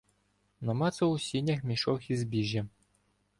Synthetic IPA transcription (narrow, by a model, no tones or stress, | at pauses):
nɐmɑt̪sɐwsʲinʲɐxmʲiʃɔxizbʲiʒʲːɐ